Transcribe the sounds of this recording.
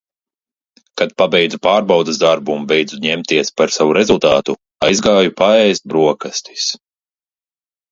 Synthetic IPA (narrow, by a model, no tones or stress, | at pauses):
kad̪̚pabɛjd̪zupaːɾbawd̪ɨsd̪aɾbumbɛjd̪zuɲɛmt̪iɛspaɾsavuɾɛzulˠt̪aːt̪u | ajzɡaːjupaɛjst̪̚bɾuɔkast̪i̥s